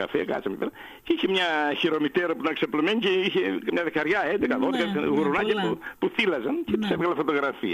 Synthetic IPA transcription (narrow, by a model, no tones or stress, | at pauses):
ɐ̰fiɐ̰kɐ̰t͡ssɐmḛpeɾɐ | ceiçemɲɐçiɾomit̪eɾɐpuit̪ɐnksɐplomeɲiceiçemɲɐðekɐɾʝɐed̪ekɐðoðekɐɣuɾunɐcepupuθilɐzɐncepi̥sevɣɐlɐfo̞t̪o̞ɣɾɐfḭɐ